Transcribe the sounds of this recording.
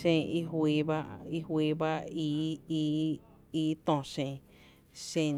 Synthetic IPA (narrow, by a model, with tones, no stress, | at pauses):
ʃẽ˧˨i˦ɦwiː˧ba˦i˦hwiː˧ba˦i˧˦ | i˦t̪õ˧˨ʃẽ˧˨ | ʃẽ˧˨